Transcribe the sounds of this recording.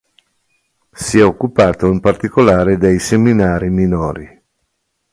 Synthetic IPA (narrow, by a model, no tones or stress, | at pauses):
siɛokːupaːt̪oimpart̪ikolaːɾed̪ejseminaːɾiminoːɾi